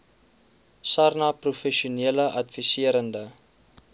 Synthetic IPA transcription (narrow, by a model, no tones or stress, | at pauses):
sɐrnɐprufɛʃiuniələʔɐtvisiəɾəndə